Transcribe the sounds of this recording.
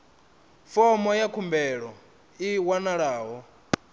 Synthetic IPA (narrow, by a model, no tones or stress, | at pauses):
fɔmɔjakʰumbɛɺɔ | iwanaɺaːɦɔ